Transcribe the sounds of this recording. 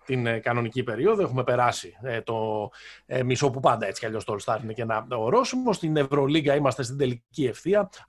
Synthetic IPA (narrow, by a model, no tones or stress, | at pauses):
t̪inkɐno̞nicipe̞ɾio̞ðoe̞xume̞pe̞ɾɐsit̪o̞ | miso̞pupɐnd̪ɐe̞t͡si̥cɐʎo̞st̪olst̪ɐɾinece̞nɐoɾo̞sumost̪ine̞vɾo̞liɡɐimɐst̪e̞st̪ind̪e̞licie̞fθiɐ